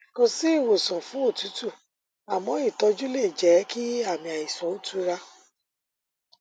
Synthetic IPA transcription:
kɔ̃˧si˦i˦˨wo˨sɔ̃˨fũ˨˦o˦˨tu˨˦tu˦˨ | a˨mɔ̃˨˦i˦˨tɔ˧d͡ʒu˦le˦˨d͡ʒɛ˨˦ki˦a˦˨mĩ˧a˨i˨sɔ˨˦o˦tu˦ɾa˧˦

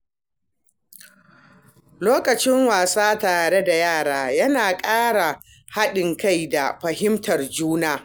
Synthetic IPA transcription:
loː˦kɐ˨t͡ʃɪ˦ŋwaː˨saː˦taː˨ɽe˦da˨jaː˦˨ɽaː˦jɐ˦naː˨kʼaː˦ɽa˨ | ha˦ɗɪ˨ŋka˦jda˨ɸɐ˨hɪ˦mtɐ˨rd͡ʒuː˦naː˦

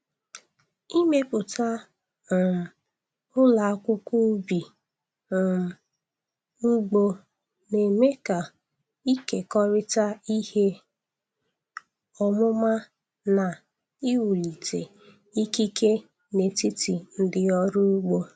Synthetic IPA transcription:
i˦me˦pʊ˨ta˦˨ | m̩˨ | ʊ˦la˨˦kʷʊ˦ku˦bi˨ | m̩˨ | ŋ͡m̩˦ɡ͡bo˦ | ne˨me˦ka˨ | i˦ke˨kɔ˦ɾɪ˦ta˦i˦he˦ | ɔ˨mʊ˦ma˦ | na˨ | i˦wu˨li˨tʰe˨ | i˦ki˦ke˦ | ne˨ti˦ti˨n̩˦dɪ˦ɔ˦ɾʊ˦ɡ͡bo˦

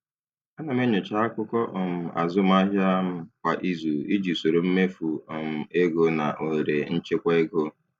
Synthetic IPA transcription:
a˦na˨me˦ɲʊ˨t͡ʃa˦a˦kʊ˦kɔ˦ʔɔ˨m̩˨a̰˨zʊ˦m̩˦a˦ɦja˦m̩˦kʷa˨ʔi˦zu˨i˦d͡ʒi˨so˨ɾo˨m̩˦me˦fu˨ɔ˨m̩˨e˦ɡo˦na˨ʔo˨ɾe˨n̩˦t͡ʃe˦kʷa˦e˦ɡo˦

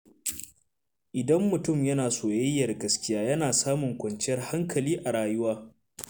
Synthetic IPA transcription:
ʔɪ˨dɐ˦mːʊ˨tʊ˦˨mjɐ˦naː˨soː˨jɐ˦jːɐ˨rɡɐ˨skʲɪ˦jaː˦jɐ˦naː˨saː˦mʊ˨ŋkʷɐ˨nt͡ʃɪ˦jɐ˦rha˦ŋkɐ˨liː˦ʔa˨ɽaː˨jʊ˦waː˦

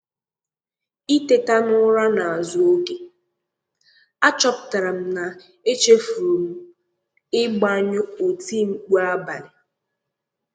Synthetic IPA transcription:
i˦te˨ta˦nʊ˦ɾa˦na˨a˨zʊ˨˦o˦ke˦ | a˦t͡ʃɔ˦pʊ˨ta˨ɾa˨m̩˦na˨ | e˦t͡ʃe˦fu˨ɾu˨m̩˨ | ɪ˦ɡ͡ba˦ɲʊ˦o˨ti˦ŋ͡m̩˨k͡pu˦a˦ba˨ɾɪ˨

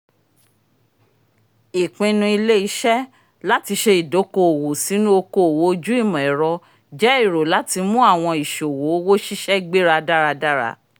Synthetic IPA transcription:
i˨k͡pĩ˧nũ˧i˧le˦i˧˦ʃɛ˦ | la˦ti˧ʃe˧i˨do˨˦ko˦o˨wo˨si˨˦nũ˦o˧ko˦o˨wo˨˦˧d͡ʒu˦i˦˨mɔ̃˨ɛ˨ɾɔ˧ | d͡ʒɛ˨˦i˦˨ɾo˨la˨˦ti˧mũ˦a˦˨w̃ɔ̃˧i˨ʃo˨wo˨˦wo˦ʃi˦ʃɛ˦ɡ͡be˦ɾa˧da˦ɾa˧da˦ɾa̰˧˦

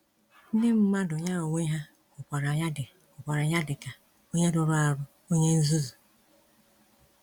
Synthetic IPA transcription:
n̩˦de˦m̩˦ma˦dʊ˨ɲa˦˨o˨ŋʷe˦ɦa˦ | ʊ˨kʷa˨ɾa˨ɲa˦dɪ˨ | ʊ˨kʷa˨ɾa˨ɲa˦dɪ˨ka˨ | o˦ɲe˦dʊ˨ɾʊ˦a˨ɾʊ˦ | o˦ɲe˦n̩˦zu˦zu˨

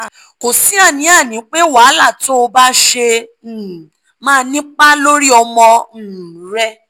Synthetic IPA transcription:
ko˨si˨˦a˦˨nĩ˨˦a˦˨nĩ˨˦k͡pe˦wa˨˦la˦˨to˦o˧ba˦ʃe˧˨ | mãː˦˧nĩ˦k͡pa˦lo˦ɾi˦ɔ˧mɔ̃˧˨ɾɛ˦

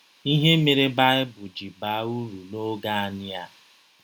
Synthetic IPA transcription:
i˦ɦe˦me˨ɾe˦ba˦ɪ˦bʊ˨d͡ʒi˨ba˨˦u˦ɾu˨lo˦ɡa˦a˦nɪ˦a˦

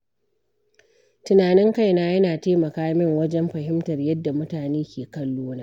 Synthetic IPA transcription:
tʊ˨naː˨nɪ˦ŋka˦jnaː˦jɐ˦naː˨teː˦mɐ˨kaː˦mɪ˦ŋwɐ˦d͡ʒɛ˦mɸɐ˨ɦɪ˦mtɐ˨rjɐ˦dːa˨mʊ˦taː˨neː˦kʲeː˨kɐ˦lːoː˦naː˦ʔ

